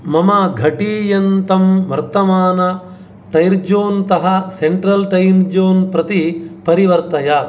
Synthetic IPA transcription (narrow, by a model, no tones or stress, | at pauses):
mɐmɐɡʱɐʈiːjɐnt̪ɐmʋɐɾt̪ɐmaːnɐ | ʈɐjɾd͡ʒoːnt̪ɐɦɐseɳʈɾɐlʈɐjmd͡ʒoːnpɾɐt̪ipɐɾiʋɐɾt̪ɐjɐ